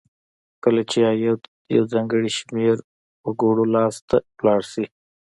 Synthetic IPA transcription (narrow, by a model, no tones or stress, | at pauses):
kəlat͡ʃejaj | ja̰wzɑːŋɡəɽiʃmeɾ | wəɡoɽolɑst̪aplɑːɽsi